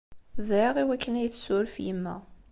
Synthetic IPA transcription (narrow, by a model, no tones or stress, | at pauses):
ðæɾəʁiwækːənæjt͡sːsʊɾfjəmːæ̰